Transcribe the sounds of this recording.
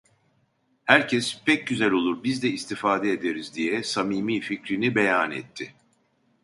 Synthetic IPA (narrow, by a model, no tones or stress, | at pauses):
hæɾcʰɛspʰɛc̚ɟyzælʲo̞lˠuɾbizd̪ɛist̪ʰifaːd̪ɛed̪eɾizd̪ijɛsamiːmiːficɾinibejanɛ̰t̪ʰːɪ